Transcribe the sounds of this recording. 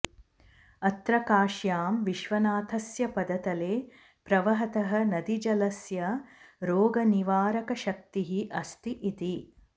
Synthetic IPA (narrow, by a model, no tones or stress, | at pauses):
ɐt̪ɾɐkaːʃjaːmʋiʃʋɐnaːt̪ʰɐsjɐpɐd̪ɐt̪ɐleː | pɾɐʋɐɦɐt̪ɐɦɐnɐd̪id͡ʒɐlɐsjɐɾoːɡɐniʋaːɾɐkɐʃɐk̚t̪iɦiʔɐst̪iʔit̪i